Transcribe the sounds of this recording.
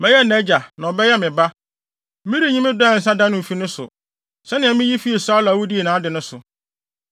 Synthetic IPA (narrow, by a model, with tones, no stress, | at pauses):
mɛ̃˦jɛ˦˨nɛ˦d͡ʑa˨nã˨ɔ˨bɛ˦jɛ˦mɪ̃˨ba˦ | mĩ˦ɾi˦˨ɲĩ˦mɪ̃˦dɔ̃˦˨n̩˨sã˦dã˦nʊ̃˨m̩˨fi˦nʊ̃˦sʊ̰˨ | sɛ˦nɪ̃˨ɛ̃˨˦mĩ˦ji˦fi˦e˨sa˦la˨wu˦di˦e˨nãː˨˦dɪ˨nʊ̃˦sʊ˨